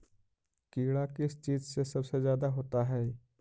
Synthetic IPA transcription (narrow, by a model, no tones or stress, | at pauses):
kiːɽakɪst͡ʃiːzsesɐbsezjaːd̪aɦoːt̪aɦɛː